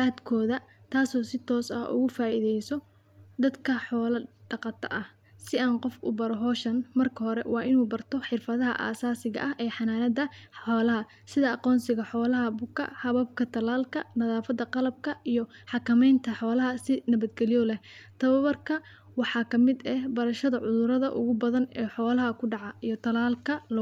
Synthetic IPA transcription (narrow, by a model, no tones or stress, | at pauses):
aːd̪kʰɔːðɐt̪ʰaːsɔːsɪt̪ʰɔːsɐ̰hʔʊ̰ɣʊfaːʔɪðɛjsɔ | d̪ɐd̪kʰɐħɔːlɐɖ̥ɑqɑt̪ʰɐ̰ʔɐh | sɪaːnqɔfʊ̰bɐɾɔɦɔːʃɐnmɐrkʰɐɦɔɾɛ̰wɑːʔɪnuːbɐrt̪ʰɔħɪrfɐðɐɦɐ̰ʔa̰ːsaːsɪɣɐ̰ʔɐɦʔɛːħɑnaːnɐd̪ɐħɔːlɐɦɐ | sɪðɐɑqɔːnsɪɣɐħɔːlɐɦɐbʊkʰːɐ̰hɐβɐb̚kʰɐt̪ʰɐlaːlkʰɐnɐðaːfɐd̪ɐqɑlɐb̚kʰɐʔijɔħɑkʰɐmɛjnt̪ʰɐħɔːlɐɦɐsɪnɐβɐd̪ɡɛlɪjɔlɛht̪ʰɐβɐβɐrkʰɐ | wɑħɑːkʰɐmɪd̪ɛbɐɾɐʃɐðɐʕʊðʊɾɐðɐʔʊ̰ɣʊbɐðɐnɛːħɔːlɐɦɐkʰʊɖɑʕɑʔijɔt̪ʰɐlaːlkʰɐl